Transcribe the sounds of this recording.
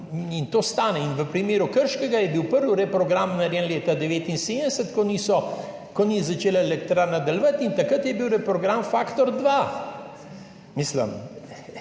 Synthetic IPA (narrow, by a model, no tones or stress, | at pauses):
int̪oːst̪aːnɛinʋəpɾimeːɾukəɾʃkɛɡajɛbiwpəɾʋuɾɛpɾɔɡɾamnaɾjɛnleːt̪ad̪ɛʋeːt̪inseːd̪d̪ɛsət̪kɔnisɔ | kɔnizat͡ʃeːlaelɛkt̪ɾanad̪ɐlʋat̪int̪ɐkət̪jɛbiwɾɛpɾɔɡɾamfaːkt̪ɔɾd̪ʋa | miːslə̰m